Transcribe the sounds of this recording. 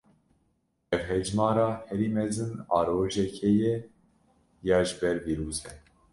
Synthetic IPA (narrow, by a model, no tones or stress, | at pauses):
ɛvɦɛd͡ʒmɑːɾɑːhɛɾiːmɛzɨnɑ̰ːɾoːʒɛkʰɛjɛ | jɑːʒɨbɛɾviːɾuːzɛ